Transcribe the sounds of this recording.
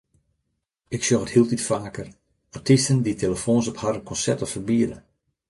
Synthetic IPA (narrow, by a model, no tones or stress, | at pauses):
ɪksjoxəthilˠtitfaːkər | artʰistənditʰeləfoːnsɔphaɾənkʰɔnsɛrtɔffərbiədə